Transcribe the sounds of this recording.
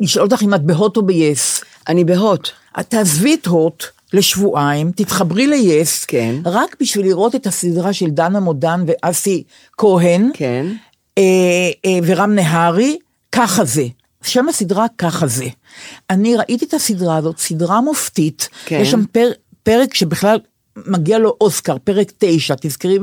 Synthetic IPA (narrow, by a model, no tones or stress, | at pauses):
liʃolt̪̬aχimat̪̚beɦo̞tobejes | ʔanibeɦot̪ | ʔa̰t̪aːzvietɦo̞t | le̞ʃvuʔaimt̪it̪χabʁilejeskenʁakbiʃviliʁʔo̞te̞t̪hasidʁaʃe̞ldanhamodanveʔasi | koɦenken | e | veʁamneɦaʁi | kaχaze | ʃamasidʁakaχaze | ʔaniʁaʔit̪iet̪asidʁaːzo̞t̪sidʁamoftit̪jeʃampe | peʁekʃe̞biχlal | maɡialo̞ʔo̞skaʁpeʁekte̞jʃat̪izkiʁi